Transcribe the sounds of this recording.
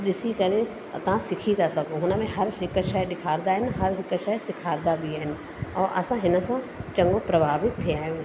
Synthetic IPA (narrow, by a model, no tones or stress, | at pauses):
ɗɪsikɐɾe | t̪ɐʋ̤ãsɪkʰit̪asɐɡõɦʊnə̆mẽɦɐɾɦɪkəʃɐɗɪkʰaːɾd̪aːɦɪnɪɦɐɾɦɪkʃɐsɪkʰaːɾd̪abʱiaːɦɪnɪ̆ | ɔːɾʔɐsãɦɪnə̆sã | t͡ʃɐ̃ŋɡõpɾɐbʱaːʋɪt̪ʰːiaːɦijõ